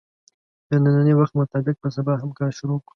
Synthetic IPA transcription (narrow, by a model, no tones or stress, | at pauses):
d̪̥ənananewaxt̪mʊt̪ɑbɪk̚pəs̬abɑɦamkɑɾʃʊɾokɽ